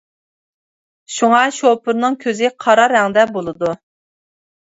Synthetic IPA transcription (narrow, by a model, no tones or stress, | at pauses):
ʃuŋɑʃopɨɾnɨŋkʲʰøzɪqʰɑɾɑɾɛŋd̪ɛbolˠɨd̪u